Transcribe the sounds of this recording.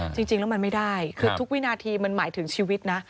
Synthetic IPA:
t͡ɕi˧ŋt͡ɕi˧ŋlɛ˦˥wma˧nma˥˩jdaː˥˩jkʰɯː˧t̪ʰu˦˥k̚wi˦˥naː˧t̪ʰiː˧ma˧nmaː˩˦jt̪ʰɯ˨˩˦ŋt͡ɕʰiː˧wi˦˥t̪̚na˦˥ʔ

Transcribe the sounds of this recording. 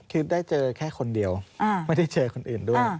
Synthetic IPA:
kʰɯ˦˥˩daː˥˩jt͡ɕɤː˧kʰɛː˥˩kʰo˧ndi˧əwʔa˧ma˥˩jda˥˩jt͡ɕɤː˧kʰo˧nʔɯː˨˩ndu˥˩ə˧˩

